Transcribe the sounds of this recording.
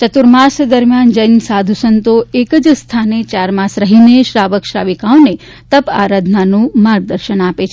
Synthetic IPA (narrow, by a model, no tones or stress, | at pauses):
t͡ʃət̪uɾmasd̪əɾmjand͡ʒəjnsad̪ʱusənt̪oekəd͡ʒst̪ʰanet͡ʃaɾmasɾəɦineʃɾaʋəkʃɾaʋikaone | t̪əpa̰ɾad̪ʱnanũmaɾɡ̚d̪əɾʃənapet͡ʃʰe